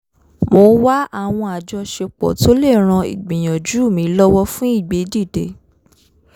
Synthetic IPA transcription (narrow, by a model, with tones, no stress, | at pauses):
mo˧˦wa˦a˦˨w̃ɔ̃˧a˨d͡ʒɔ˧ʃe˧k͡pɔ̰˨to˦le˦˨ɾ̃ã˧ḭ˨ɡ͡bĩ˨j̃ã˨d͡ʒu˨˦˨mĩ˨˦lɔ˦wɔ˦fũ˦i˦˨ɡ͡be˨˦di˦˨de˨˦